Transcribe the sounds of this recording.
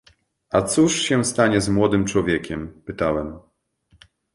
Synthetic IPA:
at̪suʂɕɛst̪aɲɛzmwɔd̪ɘmt͡ʂwɔvʲjɛkʲɛmpɘt̪awɛm

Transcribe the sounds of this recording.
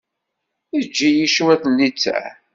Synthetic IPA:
id͡ʒːijiʃuwæθnːit͡sːæ̰

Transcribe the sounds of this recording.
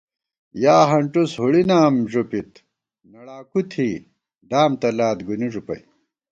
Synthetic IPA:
jaːɦɐɳʈushuɽinaːmʐupit̪ | nɐɽaːkut̪ʰiː | ɖaːmt̪ɐlaːt̪ɡuniʐupɐ̰j

